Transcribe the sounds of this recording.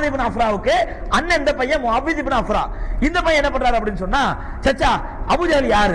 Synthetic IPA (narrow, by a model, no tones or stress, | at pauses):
ðip̬ɐnɐfɾaːɯkːɯ | ɐnːɛnd̪ɐpɐjɐ̃mɐbiðibɐnɐfɾa̰ːɪnd̪ɐpɐjɐ̃ɛnːɐpːɐɳːɾaːɾɯɐp̬ːɐɽɪnːɯsɔnːaː | t͡ʃɐt͡ʃːaː | ɐbuɾɐɣɐɭjaːɾɯ